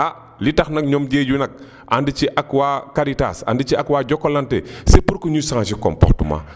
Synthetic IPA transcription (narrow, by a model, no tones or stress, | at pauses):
a | litɐxnɐk̚ɲɔmd͡ʒeːd͡ʒunɐk̚ | ʔandit͡ʃiʔakwakaɾita̰sa̰ndit͡ʃiakwaɟɔkːɔlantɛsepuɾkoɲusaŋat͡ʃikɔ̰mpɔ̰ɾtuma̰